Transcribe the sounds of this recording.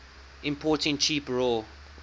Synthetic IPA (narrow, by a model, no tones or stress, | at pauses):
ʔɪ̃mpʰɔːˑtɪ̃ŋt͡ʃʰiːpɹol